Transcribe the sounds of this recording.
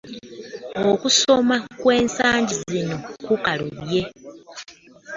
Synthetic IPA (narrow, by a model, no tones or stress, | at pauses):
okuso̞makwe̞ːnsaːɲɟizino̞kukaluɾje̞